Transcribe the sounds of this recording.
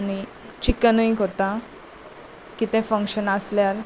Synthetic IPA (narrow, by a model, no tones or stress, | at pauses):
aɽ̃i | t͡ɕikːənəĩkɦot̪a | kit̪ɛ̃fəŋkɕənasljaɾ